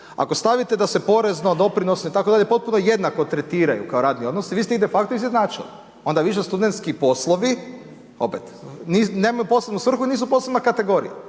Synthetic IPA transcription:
a̰ko̞st̪aʋit̪e̞d̪ase̞po̞ɾe̞zno̞d̪o̞pɾino̞snoit̪akoaʎe̞po̞t̪̚puno̞je̞d̪nako̞t̪ɾe̞t̪iːɾa̰jṵkaoɾaːd̪nio̞d̪nosiʋiːst̪eid̪efak̚t̪oizjed̪naːt͡ʃḭlḭ | o̞nd̪aʋiʃ̬est̪ud̪ent̪skipo̞slˠoʋi | o̞̰pet̪nineːmajupo̞slebnusʋr̩xuiniːs̬uposlebnakat̪e̞ɡo̞ɾḭja̰

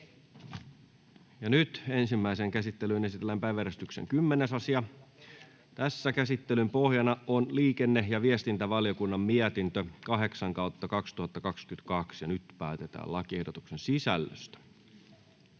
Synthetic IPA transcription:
jɑnyt̪ensimːæiseŋkæsit̪ːelynesit̪elːæmpæjʋæɾest̪yksḛŋkymːenesɑsiɑ | t̪æsːækæsit̪ːelympohjɑnɑonliːkenːejɑʋiest̪int̪æʋɑljo̞kunːɑmmiæt̪int̪økɑɦe̞ksɑŋkɑut̪ːɑkɑkst̪uhɑt̪ːɑkɑkskyt̪kɑksjɑnyt̪pæːt̪et̪æ̰ːlɑk̟iehdot̪uksensisælːø̰st̪æ̥

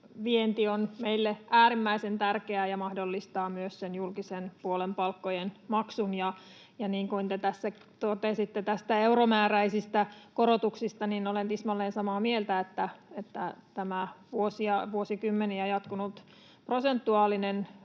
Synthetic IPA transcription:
ʋient̪ionmeilːeæːɾimːæisent̪ærkeæjɑmɑhdolːist̪ɑːmyøssenjulkisenpuolempɑlkːojenmɑksunjɑ | jɑniːŋkunt̪et̪æsːæ | t̪ot̪esit̪ːet̪æst̪æeuromæːræisist̪ækoɾot̪uksist̪ɑninolent̪ismɑlːeːnsɑmɑːmielt̪æet̪ːæet̪ːæt̪æmæʋuosiɑʋuosikymːeniæjɑt̪kunut̪ | prosent̪ːuɑːlːinen

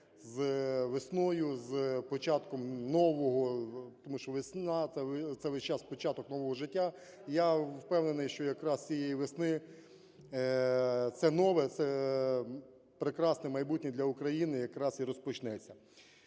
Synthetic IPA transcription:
zʋesnɔjʊzpɔt͡ʃɑt̪kɔmnɔʋɔɦɔt̪ɔmuʃt͡ʃɔʋesnɑɛt̪sɛʋɪʃt͡ʃɑspɔt͡ʃɑt̪ɔknɔʋɔɦɔʒɪtʲːa | jawpɛwnenɪjʃt͡ʃɔjɐkɾɑst͡sʲijejiʋesnɪ | t̪sɛnɔʋɛt̪ɛ | pɾekɾɑsnɛmɐjbut̚ʲnʲid̪lʲɐʊkɾɐjinɪjɐkɾɑsiɾɔspɔt͡ʃnɛt͡sʲːɐ

